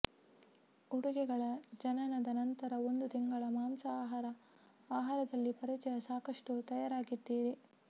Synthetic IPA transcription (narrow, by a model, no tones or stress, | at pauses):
uɽuɡɛɡɐɭɐd͡ʒɐnɐnɐd̪ɐnɐnt̪ɐɾɐo̞nd̪ut̪iŋɡɐɭɐmaːmsɐaːɦaɾɐ | aːɦaːɾɐd̪ɐlːipɐɾit͡ʃɛjɐsaːkɐʂʈut̪ɐjaɾaːɡid̪ːiːɾe